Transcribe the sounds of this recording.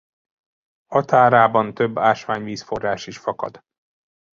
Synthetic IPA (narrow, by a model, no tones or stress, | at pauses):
ɒt̪aːɾaːbɒnt̪øbːaːʃʋaːɲviːsfo̞raːʃiʃfɒkɒ̰d̪̥